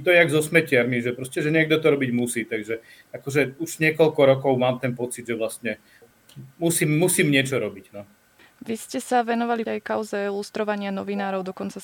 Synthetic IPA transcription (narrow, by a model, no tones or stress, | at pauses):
t̪ɔjɛaɡzɔsmɛcɪaɾmiʒɛpɾɔscɛʒɛɲɪɛɡ̚d̪ɔt̪ɔɾɔbiɟmusiːt̪aɡʒɛ | akɔʒɛuʒɲɪɛkɔʎkɔɾɔkɔʊmaːmt̪ɛnpɔt͡sid̪ʒɛʋlast̪ɲɛ | musiːmːusiːmɲɪɛt͡ʃɔɾɔbiɟnɔ | ʋiscɛsaʋɛnɔʋaliɛjkaʊzɛilust̪ɾɔʋaɲɪanɔʋinaːɾɔʊd̪ɔkɔnt͡sa